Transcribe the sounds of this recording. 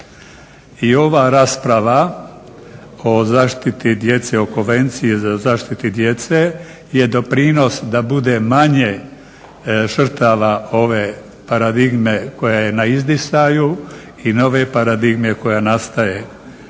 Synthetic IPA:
io̞ʋaɾaːspɾaʋa | o̞zaːʃt̪it̪id̪je̞t̪seo̞ko̞nʋe̞nt̪sijezazaːʃt̪it̪id̪je̞t̪se | jed̪o̞pɾiːno̞sd̪abud̪emaɲe̞ | ʒr̩t̪aʋao̞ʋe̞ | paɾad̪iɡme̞ko̞jajenaizd̪isaju | ino̞ʋe̞paɾad̪iɡme̞ko̞janast̪aje

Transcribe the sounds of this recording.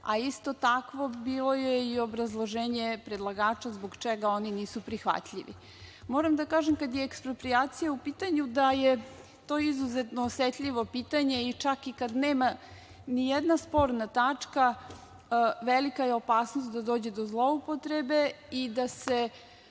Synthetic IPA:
a̰ist̪o̞t̪akʋo̞biːlo̞jeio̞bɾazlˠoʒeːɲepɾed̪lˠaɡaːt͡ʃazboɡt͡ʃeɡao̞niniːsupɾixʋa̰t̪ʎiʋḭ | mo̞ːɾamd̪akaːʒemkad̪jeːkspɾo̞pɾiaːt̪sijaupiːt̪aɲud̪aje | t̪o̞ːizuzet̪noːsʋet̪ʎiʋo̞piːt̪aɲe̞it͡ʃakikad̪neːma | nijed̪naspo̞ɾnat̪at͡ʂka | ʋelikajeo̞paːsnost̪d̪ad̪oːd͡ʑe̞d̪ozlˠo̞upo̞t̪ɾebe̞id̪ase̞

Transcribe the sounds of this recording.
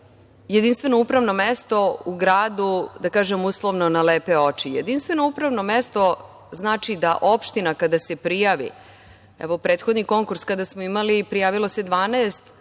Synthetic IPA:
jed̪inst̪vʋe̞no̞upɾaʋno̞mest̪o̞uɡɾaːd̪ud̪akaːʒemuslˠo̞ʋno̞naleːpe̞o̞t͡ʂijḛd̪inst̪ʋe̞no̞upɾavno̞mest̪o̞ | znaːt͡ʃid̪aʔo̞pʃt̪inakad̪ase̞pɾijaːʋḭ | ɛ̰ʋopɾe̞ːt̪xod̪niko̞ŋkuɾskad̪asmoimalipɾijaːʋilo̞se̞d̪ʋaːneːst̪

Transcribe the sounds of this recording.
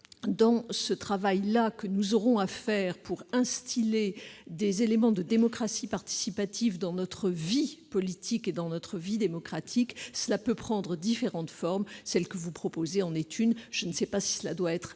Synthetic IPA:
d̪ɑ̃sət̪χavajlakənuzɔʁɔ̃afɛːʁpuʁɛ̃st̪ʰiled̪ezelemɑ̃d̪əd̪emɔkχasipaʁt̪i̥sipat̪ʰivd̪ɑ̃nɔt̪χəvipɔlit̪ʰiked̪ɑ̃nɔt̪χəvid̪emɔkχat̪ʰiksəlapøpχɑ̃d̪ʁəd̪ifeʁɑ̃t̪fɔʁmsɛlkəvupχɔpozeɑ̃net̪ynʒ̥ənsɛpasi̥səla̰d̪waɛt̪χ

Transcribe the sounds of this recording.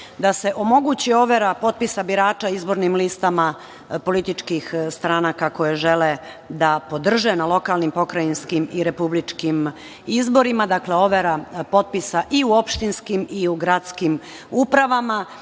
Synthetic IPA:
d̪ase̞ʔo̞mo̞ɡut͡ɕio̞ʋeɾapo̞t̪̚pisabiɾaːt͡ʃaizbo̞ɾnimlist̪ama | po̞lit̪it͡ʃkixst̪ɾaːnakako̞jeʒe̞le | d̪apo̞d̪r̩ʒenalo̞kalnimpo̞kɾajinskimiɾe̞publit͡ʃkim | izbo̞ɾimad̪akle̞o̞ʋeɾapo̞t̪̚pisaʔiuo̞pʃt̪inskimiuɡɾat̪skim | upɾaʋama

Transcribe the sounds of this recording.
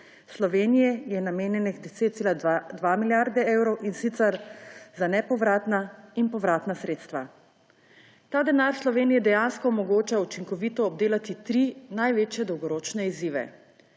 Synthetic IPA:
slɔʋeːnijɛjɛnameːnjɛnixd̪ɛseːt̪t̪elad̪ʋamiljaɾd̪ɛewɾɔwʔinsit̪sɛɾzanɛpɔʋɾaːt̪nainpɔʋɾaːt̪nasɾeːt̪st̪ʋa | t̪aːd̪ɛnaːɾslɔʋeːnijɛd̪ɛjanskɔmɔɡoːt͡ʃaut͡ʃiŋkɔʋit̪ɔːb̚d̪eːlat̪it̪ɾinajʋeːt͡ʃjɛd̪ɔwɡɔɾoːt͡ʃnɛiziːʋɛ̰

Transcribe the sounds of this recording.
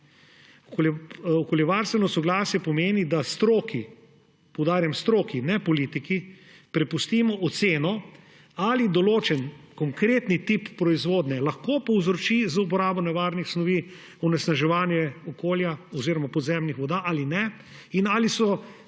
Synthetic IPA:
ɔklɔkoljɛʋaɾst̪ʋɛnɔsɔɡlaːsjɛpɔmeːnid̪ast̪ɾoːki | pɔwd̪aːɾjamst̪ɾoːkinɛpɔliːt̪iki | pɾɛpust̪iːmɔʔːt̪seːnɔ | alid̪ɔloːt͡ʃɛnkɔŋkɾeːt̪nit̪ipːɾɔizʋoːd̪nɛlɐxkopɔwzɾɔt͡ʃizup̬ɔɾaːbɔnɛʋaːɾnixsnɔʋi | ɔnɛsnaʒɛʋaːnjɛɔkoːljaɔziːɾɔmapɔd̪zɛmnixʋɔd̪aʔalinɛ | inaːlisɔ

